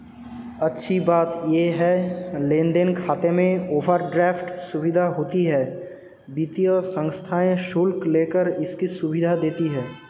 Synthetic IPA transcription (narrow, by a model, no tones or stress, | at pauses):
ɐtːʃʰibaːt̪jeɦɛlẽːnd̪enkʰaːt̪emẽoːʋəɾɖɾɛːfʈsʊbɪd̪ʱaɦoːt̪iɦɛː | biːt̪ijosə̃ŋst̪ʰaːẽʃʊlkleːkəɾɪskisʊbɪd̪ʱad̪eːt̪iɦɛː